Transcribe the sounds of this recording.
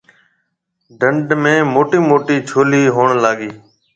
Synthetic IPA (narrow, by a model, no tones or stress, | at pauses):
ɖəɳɖmẽːmoːʈiːmoːʈiːt͡ʃʰoːliːɦoːɳlaːɠiː